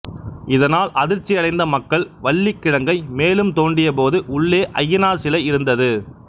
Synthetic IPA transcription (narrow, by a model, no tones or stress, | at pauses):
ɪðɐnaːlʔɐðɪɾt͡ʃːɪjɐɽɐɪnd̪ɐmɐkːɐɭʋɐɭːɪkːɪɽɐŋɡɐɪmeːlɯmt̪oːɳɖɪjɐp̬oːðɯʔʊɭːeːʔɐjːɐnaːsɪlɐɪɾɯnd̪ɐðɯ